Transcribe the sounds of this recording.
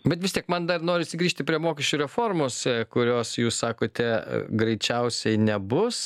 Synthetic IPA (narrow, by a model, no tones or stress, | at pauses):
bʲɛt̪ʋʲɪst̪ʲiɛkmɐnd̪ɐrnoːɾʲɪʃsʲɪɡɾʲiːʃʲt̪ʲɪpʲɾʲiɛmoːkʲɪʃʲt͡ʃʲuɾʲɛfoːrmoːsʲɛkʊɾʲoːsjuːssɑːkoːt̪ʲɛɡɾɐɪt͡ʃʲɛʊsʲɛɪnʲɛbʊs